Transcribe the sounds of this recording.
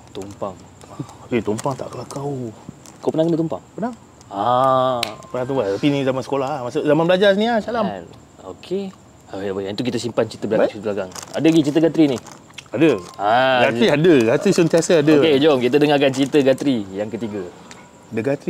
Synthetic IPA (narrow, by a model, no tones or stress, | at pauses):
t̪umpaŋ | et̪umpaŋt̪a̰ʔkəlakaw | kapənãhkənət̪umpa̰ŋpənaŋ | a | pənaŋt̪umpat̪apinizamansə̥kolahhmasuʔzamanbəlad͡ʒasəniasalam | o̰kʰe | aabajit̪uk̬it̪əsimpant͡ʃit̪əbəlaɡat͡ʃit̪əbəlaɡaŋa̰dəɡit͡ʃit̪əɡat̪ɾinih | adəaɡat̪ɾiadəɡat̪ɾisənt̪iasəadəked͡ʒomkit̪̬ədəŋakant͡ʃit̪əɡat̪ɾijaŋkət̪iɡa | dəɡat̪ɾi